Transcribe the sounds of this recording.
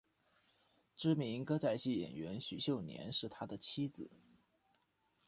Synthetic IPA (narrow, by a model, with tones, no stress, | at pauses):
ʈ͡ʂɻ̩˥mi˧˥ŋkɤ˥t͡sa˥˧ɪɕi˥˩jɛ̰˨˩nɥɛ˧˥nɕy˨˩ɕjo˥˩ʊnjɛ̰˧˥nʂɻ̩˥˩t̪ʰa˥d̪ə˨t͡ɕʰi˥d͡zɹ̩˨˩˦